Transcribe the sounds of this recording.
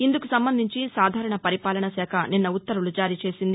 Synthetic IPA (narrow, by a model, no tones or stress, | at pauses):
ind̪ukusɐmbɐnd̪iɲt͡ʃisaːd̪ʱaːɾɐɳɐpɐɾipaːlɐɳɐsɛːkʰɐninːɐut̪ːɐɾulud͡ʒaːɾiːt͡ʃe̞ːsind̪i